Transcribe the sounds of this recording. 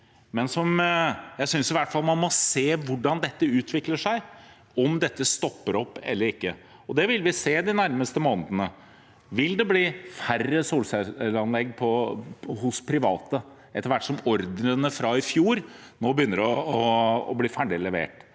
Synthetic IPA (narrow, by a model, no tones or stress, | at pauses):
mɛnsɔmjæɪsʏnsɪʋæʈːfɑlmɑnmɔseːʋʊɖɑnd̪ɛt̪ːəʉːt̪ʰʋɪkləʂæɪ | ɔmd̪ɛt̪ːəst̪ɔpːəɾɔpːɛ̰lːəɾɪkːə̰ | ɔd̪ɛʋɪlʋɪseːd̪ɪnæɾməst̪əmoːnd̪ənə | ʋɪld̪ɛbliːfærːəsuːlsɛlɑnlɛɡːpʰɔhʊspʰɾɪʋɑːt̪ə | ʔɛt̪ːəɾʋæʈːʂɔmɔɾd̪ənəfɾɑɪfjuːɾ | noːbəjʏnːəɾɔɔɔ̰bliːfæɖɪlɛʋḛːʈ